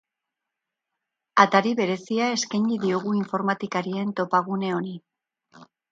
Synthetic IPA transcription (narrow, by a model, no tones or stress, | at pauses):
at̪aɾiβe̞ɾe̞siae̞skajɲiðio̞ɣuiɱfo̞ɾmat̪ikaɾie̞nt̪o̞paɣ̞une̞o̞ni